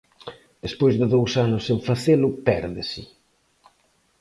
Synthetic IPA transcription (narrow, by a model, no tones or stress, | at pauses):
d̪espojzðɪðowsanʊsːeɱfaθelʊpɛɾðɪsɪ